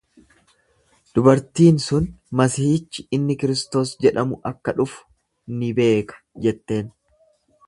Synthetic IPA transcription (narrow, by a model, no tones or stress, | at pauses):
d̪̥ʊbɐɾt̪iːnsʊnmɐsiːt͡ʃːɪɪnːɪkɪɾɪst̪o̞ːsd͡ʒɛᶑɐmʊʔɐkːɐᶑʊfʊ̥ | nɪbe̞ːkɐ̥d͡ʒɛt̪ːe̞ːn